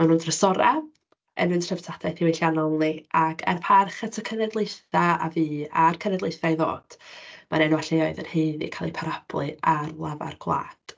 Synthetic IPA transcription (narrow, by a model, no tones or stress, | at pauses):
manoːdrəsɔɾa̰ | ə̰nɨntʰr̥əvtʰadaθiwejɬjanɔlˠniʔakʰɛ̰rpʰarχatʰəkʰənɛdlˠejθaa̰viːarkʰənɛdlˠejθajðo̰ːd̥manɛnwaɬeɔɨðənheːðḭkʰalˠipʰaɾab̥lˠɨarlˠava̰rɡʰwlˠa̰ːd̥